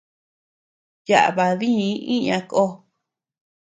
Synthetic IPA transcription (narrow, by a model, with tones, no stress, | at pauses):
ja˨ʔa˨βa˨ðĩ˦ʔĩ˦ɲã˧ko˦